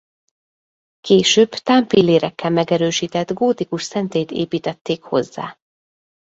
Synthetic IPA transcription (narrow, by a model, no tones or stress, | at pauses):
keːʃøːbt̪aːmpilːeːɾɛkʰːɛlmɛɡɛɾøːʃiːt̪ɛd̪ɡoːt̪ikuʃsɛnt̪eːt̪ḛːpiːt̪ɛt̪ːeːkho̞̰zːa̰ː